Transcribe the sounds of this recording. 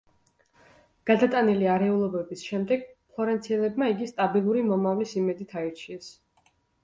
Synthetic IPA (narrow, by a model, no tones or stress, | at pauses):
ɡ̥ad̪at̪ʼaniliaɾɛulˠɔbɛbisʃɛmd̪ɛɡ̥̚pʰlˠɔɾɛnt̪sʰiɛlɛbmaiɡist̪ʼabilˠuɾimɔmavlisimɛd̪it̪ʰaiɾt͡ʃʰiɛs